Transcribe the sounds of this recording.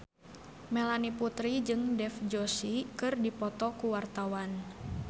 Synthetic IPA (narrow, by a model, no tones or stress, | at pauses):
mɛlaniput̪ɾid͡ʒɨŋdɛfd͡ʒosikɨrdipɔt̪ɔkuwart̪awan